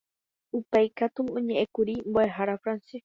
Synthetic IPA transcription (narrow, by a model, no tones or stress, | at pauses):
upejkat̪uõɲẽʔẽkuɾimboeɦaɾafɾanse